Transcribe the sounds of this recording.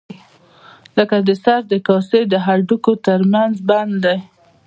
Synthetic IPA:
ləkad̪əsaɾd̪əkɑsejd̪əɦaɾɖukot̪əɾmanzband̪d̪aj

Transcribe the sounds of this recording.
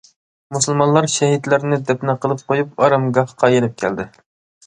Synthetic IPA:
musɨlˠmɑnlˠɑɾʃɛɦit̪lɪɾnɪd̪ɛpnɪqʰəlˠɨp̚qʰojup̚ɑɾɑmɡɑhqʰɑjeɾɛp̚kʲʰæ̰ld̪ɪ

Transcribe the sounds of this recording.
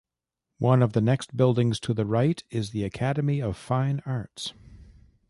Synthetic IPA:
wʔʌ̃nʌvðɨnɛkstb̥ɪlˠdɪ̃ŋz̥tʰɨðɨɹaɪɾɪzðiɨkʰæɾɨmiʌv̥fãɪ̃nɑɹts

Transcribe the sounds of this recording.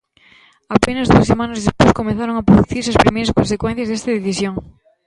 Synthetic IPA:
apenɐzðuɐsemãnɐzðespojskomẽθaɾoŋɐpɾoðuθiɾs̬ɐspɾimejɾɐskõnsekwɛnθjɐzðest̪ɐðeθisjoŋ

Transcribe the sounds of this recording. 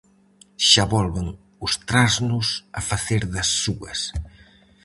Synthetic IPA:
ʃaβɔlˠβəŋ | ust̪ɾaznuzəfəθeɾðəsːuə̰s

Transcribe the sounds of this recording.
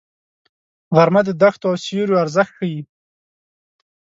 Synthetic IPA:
ɣaɾmad̪əd̪axt̪oawsoɾjoaɾzəxt̪xaji

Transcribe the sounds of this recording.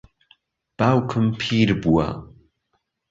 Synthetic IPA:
b̥aːwkʰɨmpʰiːɾbuwa̰

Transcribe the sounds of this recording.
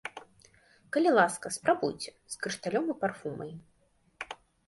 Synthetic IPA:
kɐlʲilˠaskɐspɾabujt͡sʲɛskɾɨʂt̪alʲɔmɨparfumɐ̰j

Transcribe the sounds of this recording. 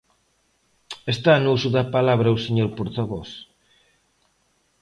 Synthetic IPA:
est̪anuusuðɐpalaβɾɐuseɲoɾpoɾt̪aβɔs

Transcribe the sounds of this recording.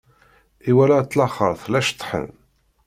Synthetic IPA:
iwælæt̪ːlɑχə̰ɾˤθlæʃt̪ˤːħə̰n

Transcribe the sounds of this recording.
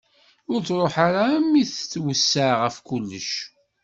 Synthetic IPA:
ʊɾt͡sɾˤoħaɾamːiθt͡sːwəsːaʁəfkulːəʃ

